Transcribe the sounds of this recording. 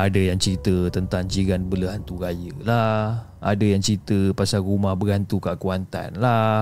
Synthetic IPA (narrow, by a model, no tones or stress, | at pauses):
adəjaŋt͡ʃɾit̪ət̪ənt̪aŋd͡ʒiɡanbələɦant̪uɡajəla | a̰dajaŋt͡ʃɾit̪əpasarumahbəɡant̪ukaʔkuant̪a̰nla